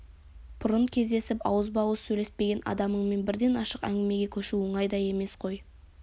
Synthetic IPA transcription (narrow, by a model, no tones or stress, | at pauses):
pʰʊɾʊnkʲʰe̞zd̪e̞sɪpɑ̰wəzbɑwəsɵjle̞spe̞ɡʲe̞nɑ̰d̪ɑməɴme̞nbɪɾd̪e̞nɑʃəqæ̰ŋɡʲɪme̞ɡʲe̞kʲʰɵʃuwoɴɑjd̪ɑje̞me̞sqʰo̞j